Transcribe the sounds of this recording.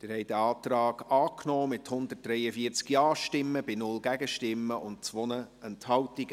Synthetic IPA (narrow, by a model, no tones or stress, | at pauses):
d̥ɪɾhɛɪd̥̪əɑːt̪rɑːɡ̥ɑːknɔːmɪthʊnd̪ət̚d̥ɾɛjəfiət͡skjɑːʃtɪmːəbɪnʊlɡæɡəʃtɪmːəʔʊntt͡sʋɔnəɛnthɑwtiɡ